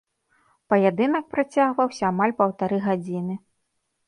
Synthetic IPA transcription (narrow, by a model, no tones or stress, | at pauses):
pɐjad̪ɨnɐk̚pɾat͡sʲaɣvɐwsʲɐːmalʲpɐwt̪aɾɨɣad͡zʲinɨ